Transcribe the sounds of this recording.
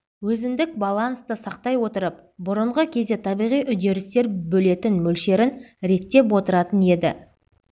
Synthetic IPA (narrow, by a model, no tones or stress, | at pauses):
wɵzɪnd̪ɪk̚bɑlˠɑnst̪əsɑq̚t̪ɑjwo̞t̪əɾəp̚ | bʊɾəɴʁəkʲʰe̞zd̪e̞t̪ʰɑbijʁijʔʏd̪e̞ɾɪst̪e̞ɾbɵle̞t̪ɪnmɵlʃe̞ɾɪnɾe̞t̪ːe̞pwo̞t̪əɾɑt̪əne̞d̪ɪ̰